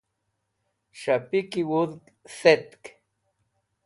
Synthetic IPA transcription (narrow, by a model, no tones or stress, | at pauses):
ʃapikiwuðk | set̪k